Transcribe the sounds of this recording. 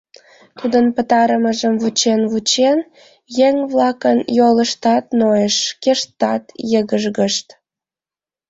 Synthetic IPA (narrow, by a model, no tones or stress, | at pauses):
t̪ud̪ənpət̪ɑɾəməʒəmvut͡ɕenβut͡ɕen | jeŋβlɑkənjoləʃt̪ɑt̪nojeʃkeʃt̪ːɑt̪jəɣəʒɣəʃt̪